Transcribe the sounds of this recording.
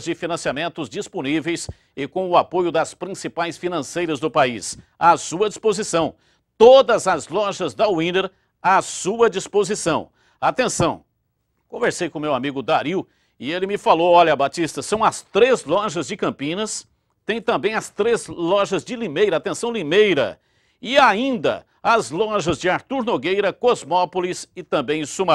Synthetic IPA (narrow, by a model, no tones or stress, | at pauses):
zd͡ʒɪfinɐ̃siamẽnt̪ʊzd͡ʒisponivejs | ɪkõʊapojʊd̪ɐspɾĩsipajsfinɐ̃sejɾɐzd̪ʊpais | asuɐd͡ʒispozisɐ̃w̃ | t̪od̪ɐzɐzlɔʒɐzd̪ɐwĩneɾ | asuɐd͡ʒispozisɐ̃w̃ | at̪ẽsɐ̃w̃ | kõveɾsejkõmewamiɡʊd̪aɾiw | ɪelɪmɪfalowɔʎɐbat͡ʃist̪ɐsɐ̃w̃ɐst̪ɾezlɔʒɐzd͡ʒɪkɐ̃pĩnɐs | t̪ẽj̃t̪ɐ̃mbẽj̃ɐst̪ɾezlɔʒɐzd͡ʒɪlimejɾɐat̪ẽsɐ̃w̃limejɾɐ̰ | ɪaĩnd̪ɐ̰ | ɐzlɔʒɐzd͡ʒɪaɾt̪uɾnoɡejɾɐkozmɔpolisɪt̪ɐ̃bẽj̃suma